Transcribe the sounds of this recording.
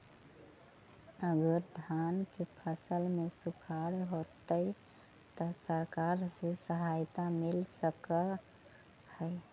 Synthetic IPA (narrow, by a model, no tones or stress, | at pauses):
əɡəɾd̪ʱankepʰəsəlmesukʰaɽɦot̪əɪ | t̪ɔsəɾkaɾsesəɦajt̪amilsəkə | həj